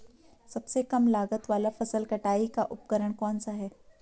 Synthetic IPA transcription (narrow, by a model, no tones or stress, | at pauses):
sɐbsekɐmlaːɡət̪ʋaːlafɐsəlkɐʈaːikaʔʊp̚kəɾəɽ̃kɔːnsaɦɛː